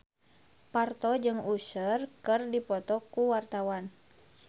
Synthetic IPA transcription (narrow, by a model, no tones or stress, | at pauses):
part̪ɔd͡ʒɨŋusərkɨrdipɔt̪ɔkuwart̪awan